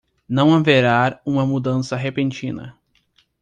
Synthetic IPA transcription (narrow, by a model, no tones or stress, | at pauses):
nɐ̃w̃ɐ̃veɾaɾũmɐmud̪ɐ̃sɐɦepẽnt͡ʃĩnɐ̰